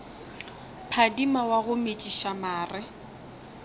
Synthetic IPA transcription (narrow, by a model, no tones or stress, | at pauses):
pʰadimawaɣʊmet͡ʃʼiʃamaːrɪ